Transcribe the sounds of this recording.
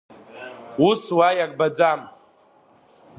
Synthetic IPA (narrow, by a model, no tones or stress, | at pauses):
ust͡sʰwajak̚ʼbad͡zam